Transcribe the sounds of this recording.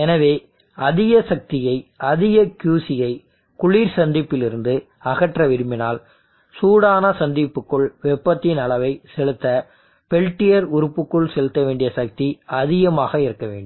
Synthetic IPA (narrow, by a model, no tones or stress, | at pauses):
ɛnɐʋeː | ɐðɪɣɐsɐk̚t̪ɪjɐɪʔɐðɪɣɐkjuːsɪjɐɪ | kʊɭiːɾsɐnd̪ɪpːɪlɪɾɯnd̪ɯ | ɐɣɐʈrɐʋɪɾɯmɪnaːl | suːɽaːnɐsɐnd̪ɪpːɯkːɯɭʋɛpːɐt̪ːɪnɐɭɐʋɐɪsɛlɯt̪ːɐ | pɛɭʈːɪjɐɾʊɾɯpːɯkːɯɭsɛlɯt̪ːɐʋeːɳɖɪjɐsɐk̚t̪iɐðɪɣɐmaːɣɐɪɾɯkːɐʋḛːɳɖɯm